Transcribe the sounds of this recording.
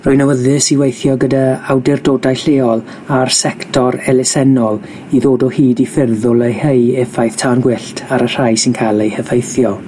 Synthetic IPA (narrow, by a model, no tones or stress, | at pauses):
rʊɨnawəðɨsiwejθjɔɡədaawdɪrdoːdajɬeːɔlˠ | arsɛktʰɔɾɛlɪsɛnɔlˠ | iðoːdɔhiːdifɪrðʊlˠəhejɛfajθtʰaːnɡwɪɬtʰaɾər̥ajsɪnkʰalˠehəvejθjɔ